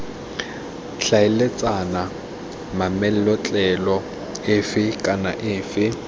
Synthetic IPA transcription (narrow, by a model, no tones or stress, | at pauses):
ɬaɪlet͡sʼana | mamɛl̩lɔt͡ɬʼɛlɔ | ɪfɪkʼanaʔɪːfɪ